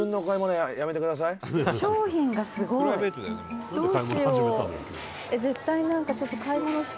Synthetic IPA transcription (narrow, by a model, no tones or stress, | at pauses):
ɯ̃nd̪ookaimonojjame̞t̪ekɯ̟d̪as̬aiɕo̞ːçĩŋɡasɨɡo̞iet̪d̪o̞ːɕijo | eze̞t̪ːainãŋkat͡ɕo̞t̪ːo̞kʰaimonoɕi̥